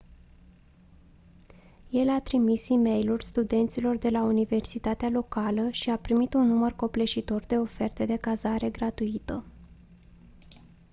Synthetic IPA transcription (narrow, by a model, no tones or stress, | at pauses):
je̞lat̪ɾimisime̞jlurʲst̪ud̪e̞nt̪silo̞rd̪e̞launive̞rsit̪at̪ealo̞kaləʃiapɾimit̪unːumərko̞ple̞ʃit̪o̞rd̪e̞o̞fe̞rt̪e̞d̪e̞kazaɾe̞ɡɾat̪uit̪ə